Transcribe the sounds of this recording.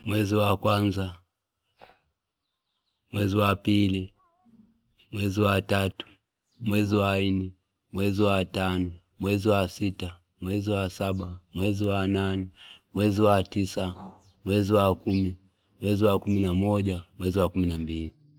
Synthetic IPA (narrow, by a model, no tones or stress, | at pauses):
mwɛziwakwanza | mwɛziwapili | mwɛziwatatu̥ | mwɛziwainɛ | mwɛziwatanɔ | mwɛziwasita | mwɛziwasaɓamwɛziwananɛmwɛziwatisa | mwɛziwakumi | mwɛziwakuminamɔʄamwɛziwakuminambili